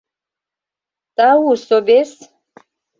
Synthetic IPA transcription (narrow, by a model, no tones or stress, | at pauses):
t̪awusobes